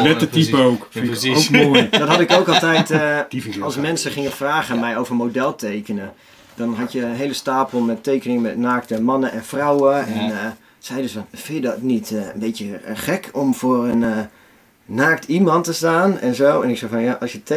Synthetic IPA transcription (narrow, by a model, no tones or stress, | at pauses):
nɛt̚dətipəowkowmodɔtɦɑtɪkoːkɑlˠtɛjt | ɑlˠsmɛnsəχɪŋəfraːχəmɛjowvərmodɛlˠtʰeːkənə | d̥ɔnɦɑtjəɦeləstaːpəl̩ˠmɛteːkənɪŋəmɛtnaːktəmɑnəʔɛnfrawəɛn | sɛjdøsfɑnfɪjədɔtnitnbeːtjəχɛkʰɔmfʊːrənː | aːktʰimɑntəstaːnɛ̰nzoːɛnɪksɛfɔnjaʔɑsjət